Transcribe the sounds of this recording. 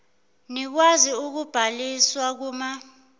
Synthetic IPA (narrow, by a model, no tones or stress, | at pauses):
nik̬waziuk̬ub̥ʱaliswak̬uːma